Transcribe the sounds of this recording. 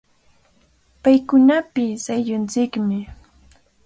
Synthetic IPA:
pajkʊnapɪsajʎʊnt͡sɪkmɪ

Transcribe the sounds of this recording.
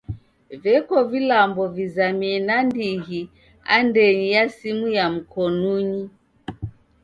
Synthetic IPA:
vɛkɔvilambɔvizamiɛnandiɣi | a̰ndɛɲijasimujam̩kɔnuɲi

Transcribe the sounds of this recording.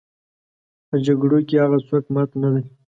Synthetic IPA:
pəd͡ʒaɡɽokeaɣaswakmat̪nad̪aj

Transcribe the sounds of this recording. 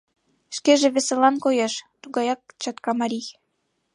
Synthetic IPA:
ʃkeʒĕβeselɑnkojeʃt̪uɣɑjɑk̚t͡ɕɑt̪kɑmɑɾʲij

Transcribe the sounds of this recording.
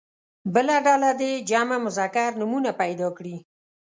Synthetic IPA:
bəlaɖalad̪ed͡ʒɑmamʊzɑkaɾnʊmunapajd̪ɑkɽi

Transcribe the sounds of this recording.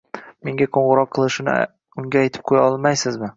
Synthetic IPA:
me̞ŋɡʲaqʰoɴʁɨɾɒqʰːɨlˠɪʃɪnɪ̰ | ʊŋɡʲaːjt̪ʰɪ̥p̚qʰojaɒlˠmajsɪzmɪ

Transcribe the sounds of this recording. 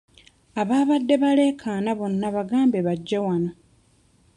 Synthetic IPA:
aβaːβadːe̞βale̞ːkʰaːnaβonːaβaɡaːmbeβaɟːawano

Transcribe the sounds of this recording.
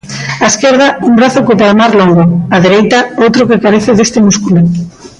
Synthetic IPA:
aeskeɾðɐumbɾaθʊkopalmaɾloŋɡoaðeɾejt̪ɐowt̪ɾʊkekaɾeθɪðest̪ɪmuskulo

